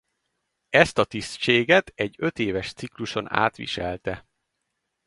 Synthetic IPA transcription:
ɛst̪ɒt̪ist͡ʃeːɡɛt̪ɛɟːø̞t̪eːvɛʃt̪sikluʃo̞na̰ːt̪ʋḭʃɛ̰lt̪ɛ

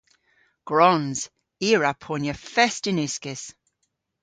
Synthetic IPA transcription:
ɡ̥ɹɔnz̥ | iːɹapʰoːnjəfɛstɪnɪskɪs

